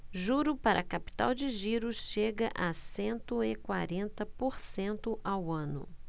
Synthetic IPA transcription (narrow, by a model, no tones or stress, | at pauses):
ʒuɾʊpaɾʔɐkapi̥t̪a̰wd͡ʒɪʒiɾʊsʃeɡɐʔasẽnt̪ʊɪkwaɾẽnt̪ɐpoɾsẽnt̪ʊʔawɐ̃nʊ̰